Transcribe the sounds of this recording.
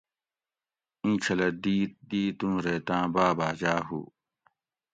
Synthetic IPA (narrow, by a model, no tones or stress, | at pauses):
ĩːt͡ɕʰɐlɐd̪iːd̪iːt̪umɾeːt̪ãːbaːbaːd͡ʑaːɦṵː